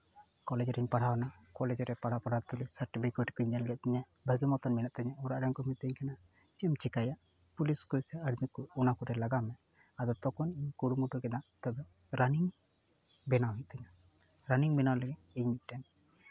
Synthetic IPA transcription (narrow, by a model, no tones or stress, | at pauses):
kɔlɛd͡ʒɾiɲpaɽ̤awnakɔlɛd͡ʒɾɛpaɽapaɽat̪ulisaɾʈibikɔʈkuɲd͡ʒɛlɡɛʔ̪̚t̪ɛɲa | bʱəɡimɔt̪ɔnminaʔt̪ɛɲaɔɾaʔɖaŋkɔmit̪əɲkʰana | t͡ʃɛmt͡ʃɛkajaʔ | puliskulsɛəɽmit̪̚kuːnakɔɾɛlaɡamɛ | ad̪ɔt̪ɔkɔniɲkuɽumuʈukɛd̪at̪ɔbɛ | ɾaniŋ | bɛnawɦit̪̚t̪ɛɲa | ɾaniŋbɛnawlɛɡɛ | iɲmit̪̚ʈɛn